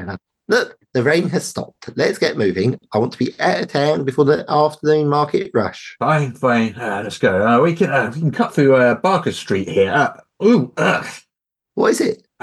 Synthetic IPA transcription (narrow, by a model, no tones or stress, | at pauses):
lʊk̚ðəɹẽɪ̃nəz̥stɒ̰p̚tlətsɡ̥ɛʔmʉːvɪ̃ŋaɪwɒ̃ntʰəb̥iʔətətʰãʊ̃nbɪfɔːðiʔɑˑftənʉ̃ːnmɑˑkɪ̰ʔɹʌ̰ʃfãɪ̃nfãɪ̃nʌlɛtsɡ̥oʊʌwikʰə̃nʌwikʰə̃n̩kʰʌt̪θɹʉʌbɑˑkə̥stɹ̥ḭˑʔhiəʌ | uʌ | wʌtɪzɪt̚